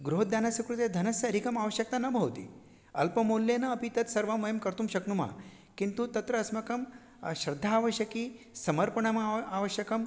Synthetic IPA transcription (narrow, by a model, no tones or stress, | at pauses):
ɡɾuɦd̪janasɐkɾut̪jed̪ʱɐnɐsjɐɾikɐmaʋəɕjɐk̚t̪anɐbʱɐwt̪ḭ | ɐlpɐmolːjenɐːpit̪ɐt̪sɐɾʋamɐjəmkɐɾt̪umɕɐknuma̰ | kint̪ut̪ɐt̪ɾəːsmɐkɐm | ɕɾɐd̪ʱːaːʋəɕjɐki | sɐmɐɾpəɳɐmaaʋəɕjɐkɐm